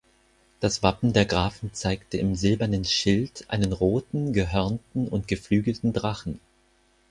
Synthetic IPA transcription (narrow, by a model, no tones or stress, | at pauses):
d̥asv̥apm̩deːɐɡʁaːfn̩t͡saɪktəɪmzɪlbɐnənʃɪltʰʔa̰ɪnənʁoːtn̩ɡəɦœɐntn̩ʊntɡ̥əflyːɡl̩tn̩dʁaχn̩